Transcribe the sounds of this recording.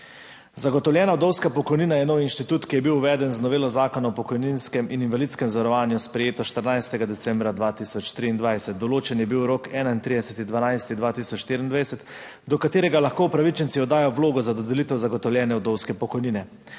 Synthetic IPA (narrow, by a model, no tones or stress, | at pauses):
zaɡɔt̪ɔwljɛːnaɔd̪ɔwskapɔkɔjniːnajɛnoːwinʃt̪it̪uːt̪kijɛbiwuʋɛːd̪ɛnznɔʋeːlɔzaːkɔnɔpɔkɔjninskɛmʔininvalit̪skɛmzaʋaɾɔʋaːnjuspɾɛjeːt̪ɔʃt̪əɾnajst̪ɛɡad̪ɛt̪sɛmbɾad̪ʋaːt̪isɔt͡ʃt̪ɾiːnd̪ʋajsɛt̪̚d̪ɔloːt͡ʃɛnjɛbiwɾokɛːnaint̪ɾid̪ɛsɛt̪id̪ʋanajst̪id̪ʋaːt̪isɔt͡ʃʃt̪eːɾind̪ʋajsɛt̪ | d̪ɔkat̪eːɾɛɡalaxkoːupɾaʋit͡ʃɛnt̪siɔd̪ːaːjɔwloːɡɔzad̪ɔd̪ɛlit̪ɛwzaɡɔt̪ɔwljɛːnɛɔd̪ɔwskɛpɔkɔjniːnɛ